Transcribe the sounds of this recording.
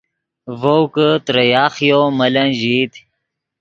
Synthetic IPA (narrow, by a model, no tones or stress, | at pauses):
vowkət̪ɾɐjɑːχjomɐlɐnʑit̪